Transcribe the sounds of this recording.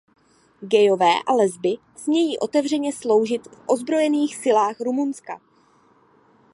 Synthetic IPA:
ɡɛjo̞vɛːʔa̰lɛzbɪ | z̥ɲɛjiːʔo̞t̪ɛvr̝ɛɲɛslo̞wʒɪt̪fʔo̞zbɾo̞jɛniːxsɪlaːxɾumunska̰

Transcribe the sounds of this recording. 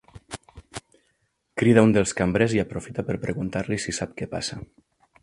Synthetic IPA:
kɾiðaund̪elˠskambɾeziapɾofit̪apəɾpɾeɣunt̪aɾlisisap̚kepa̰sa

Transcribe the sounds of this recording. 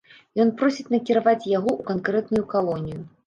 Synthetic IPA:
jɔnpɾɔsʲit͡sʲnɐkʲiɾavat͡sʲjaɣɔukankɾɛt̪nujukalˠɔnʲiju

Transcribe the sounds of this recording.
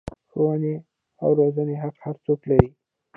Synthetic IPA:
xowane | a̰wɾozəneɦaqhaɾt͡soklaɾi

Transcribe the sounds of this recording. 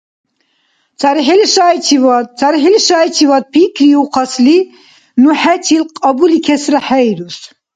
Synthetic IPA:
t͡sʰʼaɾiħɛliʃajt͡ʃʰivat͡sʰaɾiħɛliʃajt͡ʃʰivad̪̚pʰikʰɾiuqʰasli | nuħɛt͡ʃʰilqʼabulikʰɛsɾaħɛjɾus

